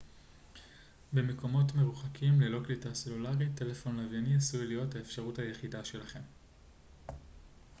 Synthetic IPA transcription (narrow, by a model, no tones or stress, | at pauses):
be̞meko̞mo̞tme̞ʁuχakʰimlelo̞klitase̞lulaʁite̞le̞fo̞nlavjaniasujlijo̞thaefʃaʁuthajeχidaʃe̞laχe̞m